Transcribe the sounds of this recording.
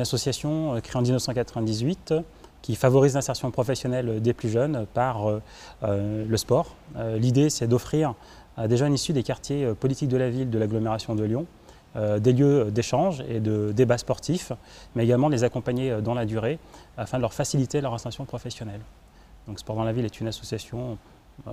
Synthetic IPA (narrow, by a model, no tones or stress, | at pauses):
ynasɔsjasjɔ̃økχeɑ̃d̪iznəfsɑ̃kat̪χəvɛ̃d̪izɥit̪ | kʲifavɔʁizlɛ̃sɛʁsjɔ̃pχɔfɛsjɔnɛlød̪eplyʒœnpaʁø | ləspɔːʁølid̪esɛd̪ɔfχiʁ | ad̪eʒœnisyd̪ekaʁt̪jeøpɔlit̪ik̚d̪əlavild̪əlaɡlɔmeʁasjɔ̃d̪əljɔ̃ | ød̪eljød̪eʃɑ̃ʒed̪əd̪ebaspɔʁt̪ʰif | mɛeɡalmɑ̃d̪əlezakɔ̃paɲed̪ɑ̃lad̪yʁeafɛ̃d̪əlœʁfasilit̪elœʁɛ̃sɑ̃sjɔ̃pχɔfɛsjɔnɛl | d̪ɔ̃kspɔʁd̪ɑ̃lavilɛt̪ʰynasɔsjasjɔ̃